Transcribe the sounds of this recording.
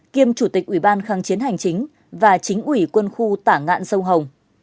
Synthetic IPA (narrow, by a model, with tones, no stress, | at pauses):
ki˧əmt͡ɕu˧˩t̪ï˨˩k̚ʔwi˧˩ɓaː˧nxaː˨˦ŋt͡ɕi˨˦ənha˨˩jŋ̟t͡ɕï˨˦ŋ̟ | vaː˨˩t͡ɕï˨˦ŋ̟ʔwi˧˩kwə˧nxu˧t̪aː˧˩ŋa̰ː˧˨nsə˧wŋ͡mɦə˨˩wŋ͡m